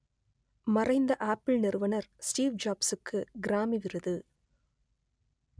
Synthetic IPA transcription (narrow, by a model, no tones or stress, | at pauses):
mɐrɐɪnd̪ɐʔaːpːɪɭnɪɾɯʋɐnɐɾsʈiːʋd͡ʒaːbsɯkːɯɡɪɾaːmiʋɪrɐðɯ